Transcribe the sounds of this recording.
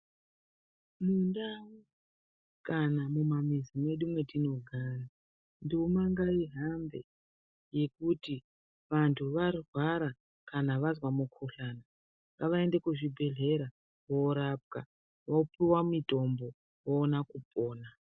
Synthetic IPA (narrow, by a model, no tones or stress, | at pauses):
mundawu | kanamumamizime̞ɗumwe̞tino̞ɡʱara | ndiumaŋɡaiɦambe̞̰ | je̞kuti | ʋantʰuʋarwaɾa | kanaʋazwamukʰoɬana | ŋɡaʋae̞nde̞kuʐibʱe̞ɮe̞ɾa | woɾap̚ka̰ | wopiwamito̞mbo | woːnakup̚ʼo̞ːna